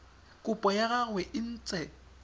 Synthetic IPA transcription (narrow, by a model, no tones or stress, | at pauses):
kʼʊpʼɔjaɣaɣwɛʔɪn̩ːt͡sʼɛ